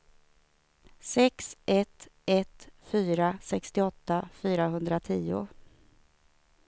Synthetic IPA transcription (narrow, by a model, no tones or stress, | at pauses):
sɛksʔɛt̪ʔɛt̪fyːɾasɛkst̪ɪɔt̪ːafyːɾaɦɵnd̪ɾat̪ʰiːʊ̰